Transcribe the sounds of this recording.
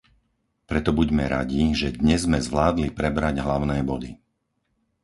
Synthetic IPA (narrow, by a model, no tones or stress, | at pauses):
pɾɛt̪ɔbuɟmɛɾa̰ɟiʒɛd̪ɲɛzmɛzʋlaːd̪lipɾɛbɾaɟɦlaʊnɛːbɔd̪i